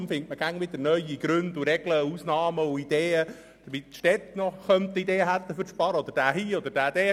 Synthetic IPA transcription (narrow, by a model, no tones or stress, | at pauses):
mfɪŋtməɡ̥æŋʋɪd̪əɾnœʏiɡ̥ɾʉnd̪uɾɛɡ̥ləuːsnɑːməʊid̪eːə | d̥əmitʃtɛt̪nɔχœmt̪ːid̪eːɦælt̪əfʏɾʃpɑɾɔd̪əɾd̥æːɦiːɔd̪əɾd̥æːd̥eː